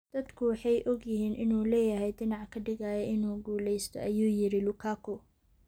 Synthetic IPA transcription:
d̪̥ɐd̪kʰʊwɑħɑjʔɔɡjɪɦiːnʔɪnuːlɛːjɐɦɛjd̪ɪnɑʕkʰɐɖɪɣaːjɛʔɪnuːɡuːlɛjst̪ʰɔ̰ʔɐjuːjɪɾɪlʊkʰaːkʰʊ

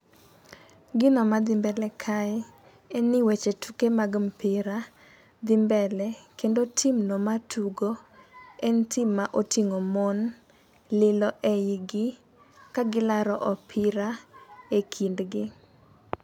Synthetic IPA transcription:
ɡɪnɔmad̪ɪmbɛlɛkʰaɛ | ɛnɪwet͡ʃetʰukemaɡmpɪɾa | d̪ɪmbɛlɛkendotʰimnɔmatʰuɡoɛntimːaʔotʰiŋomɔn | lɪlɔʔeiɡɪ | kaɡɪlaɾɔʔɔpʰɪɾaekʰindɡɪ

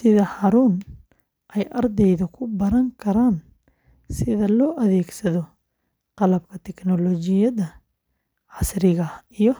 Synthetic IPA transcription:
sɪðɐhɐɾuːn | ʔɛjʔɐrd̪ɛjðɐkʰʊbɐɾɐŋkʰɐɾaːn | sɪðɐlɔːʔɐðɛːɡsɐðɔ | qɑlɐb̚kʰɐt̪ʰɛknɔlɔt͡ʃɪjɐðɐ | ʕɑsrɪɣɐijɔ

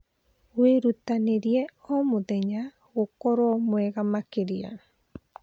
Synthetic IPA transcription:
weɾut̪aneɾieomud̪eɲa | okoɾomoeɣamakeɾia̰na

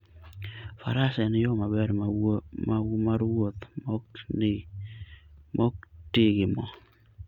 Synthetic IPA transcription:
faɾasɛnɪjomabɛɾmamaɾwot̪mk | mɔk̚tɪɡɪmɔ

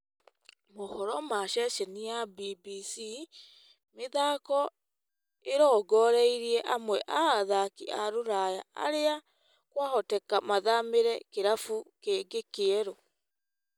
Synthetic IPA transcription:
mohɔɾɔmaʃɛʃɛniabibisi | meðakɔ | eɾɔɡɔɾɛiɾiɛʔamwɛʔaaðakiaɾuɾaja̰ʔa̰ɾea | kwahɔtɛkamaðameɾɛkeɾafukeːɡekeɛɾo

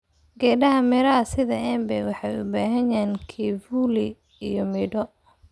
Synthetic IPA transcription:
ɡɛːɖɐɦɐmɛɾɐɦɐsɪðɐʔɛːmbɛwɑħɑjʊbaːɦɐjaːnkʰivuli | ijɔmiɖɔ

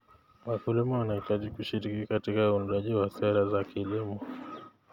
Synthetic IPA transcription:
wakulimɔwanahitaʄikuʃiɾikikatikaundaʄiwasɛɾazakilimɔ

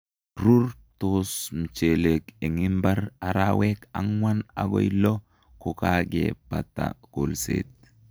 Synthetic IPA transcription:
ɾʊɾt̪oːsmt͡ʃeːlekɛŋɪmbɐɾɐɾawekɐ̰ŋwɐnɐɡɔ̰jlːɔ | kɔkaːkḛːpɐt̪ːa̰ɡ̥olsḛːt̪

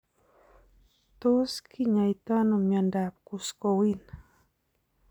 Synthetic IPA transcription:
t̪oskʰiɲait̪anomandap̚kuskowin

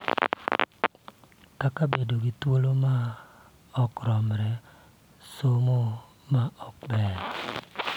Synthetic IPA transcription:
kakabedoɡit̪woloma | ɔkɾɔmɾɛ | somo | maɔk̚bɛɾ

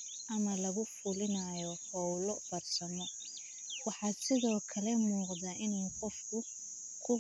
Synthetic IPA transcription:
ʔɐmɐlɐɣʊfʊlɪnajɔhɔwlɔb̥ɐrsɐmɔ | wɑħɑːsɪðɔːkʰɐlɛmuːqðaʔɪnaːnqɔfkʰʊ | kʰʊ

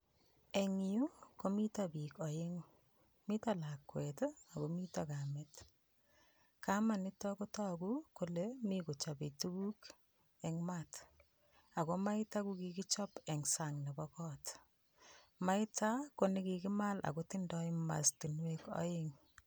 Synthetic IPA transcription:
eŋukomitabikɔjɪŋ | mitalakwɛtakomitakamet | kamanɪtɔkotɔkukolemikut͡ʃɔbetukuk | ɛŋmat | akomaɪtakukikɪt͡ʃɔpɛŋsaŋnɛbɔkɔːt | maɪtakonekikɪmala̰kotɪndɔɪma̰stinwekɔ̰jɪŋ

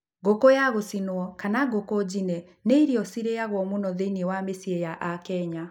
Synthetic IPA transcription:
ɡokojaɣosinwɔkanaɡokɔd͡ʑinɛ | neiɾiɔsiɾejaɣwɔmonɔðeiniewamesiejaʔakɛɲa

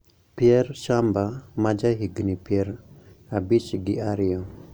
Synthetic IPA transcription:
piɛɾʃambamad͡ʒaɦiɡnipiɛɾabiʃiɡiaɾijɔ

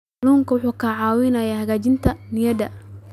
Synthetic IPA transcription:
luːŋkɐwʊħuːkʰaːʕɑːwɪnɐjaːhɐɣaːt͡ʃɪnt̪ʰɐnɪjɐd̪ɐ̰

